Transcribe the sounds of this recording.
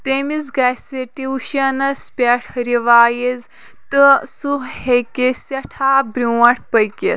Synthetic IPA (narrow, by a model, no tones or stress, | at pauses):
t̪emizɡɐjseʈiuʃɐnɐspʲeʈʰɾiʋaːjiz | t̪ɨsuhekesɐʈʰaːbɾuwɐʈ̚ʰpɐjkʲis